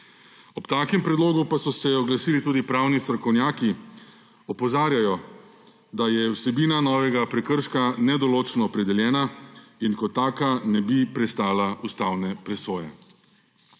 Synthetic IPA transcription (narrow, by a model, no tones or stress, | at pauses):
ɔpt̪aːkɛmpɾɛd̪loːɡupasɔsɛɔɡlasiːlit̪uːd̪ipɾawnist̪ɾɔkɔwnjaːki | ɔpɔzaːɾjajɔ | d̪ajɛwsɛbiːnanɔːʋɛɡapɾɛkəɾʃkanɛd̪ɔloːt͡ʃnɔːpɾɛd̪ɛljɛːnainkɔt̪ːaːkanɛbipɾɛst̪aːlaust̪aːwnɛpɾɛsoːjɛ̰